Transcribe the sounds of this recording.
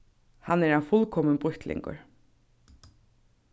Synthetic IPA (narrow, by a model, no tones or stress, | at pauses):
hanɛɾanfʊlkʰɔmənbʁʊçt̪lɪ̰ŋkʊ̰ɹ